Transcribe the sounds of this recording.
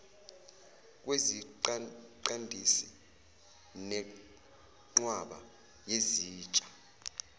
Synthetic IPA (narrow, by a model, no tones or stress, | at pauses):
k̬ʼweziǃǃandʱisi | nɛ | ŋ͡ǃwaɓa̰ | jeziːt͡ʃʼḁ